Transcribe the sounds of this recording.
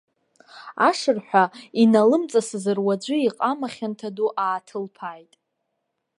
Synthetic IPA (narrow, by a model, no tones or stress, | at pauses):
a̰ʂɨrħʷᶣainalɨmt͡sʼasɨzɨrwad͡ʒʷɨiqʼamaχʲantʰaduʔaːtʰɨlpʰajtʼ